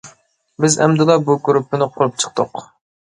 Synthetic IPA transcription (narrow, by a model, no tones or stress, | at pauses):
bɪzɛ̰md̪ɨlˠːɑbuɡuɾupʰːɪnɪqʰʊɾup̚t͡ʃʰə̥q̚t̪ʰʊq